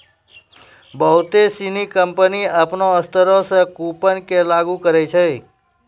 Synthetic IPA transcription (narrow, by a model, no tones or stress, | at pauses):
bəɦut̪esinikəmpəniəpnoəst̪əɾosə̃kupənkelaɡukəɾɛjt͡ʃʰə